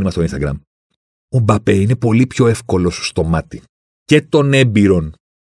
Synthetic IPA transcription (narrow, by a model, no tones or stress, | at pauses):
nimɐst̪oinst̪ɐɡɾɐ̰m | o̞bɐpe̞ine̞po̞lipço̞efko̞lo̞sst̪o̞mɐt̪i | ce̞t̪o̞ne̞biɾo̞n